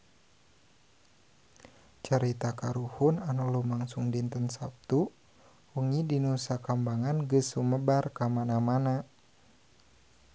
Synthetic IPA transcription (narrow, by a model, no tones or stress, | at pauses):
t͡ʃəɾit̪akaɾuhunanulumaŋsuŋdint̪ənsap̚t̪u | uŋidinusakambaŋanɡəsuməbarkamanamana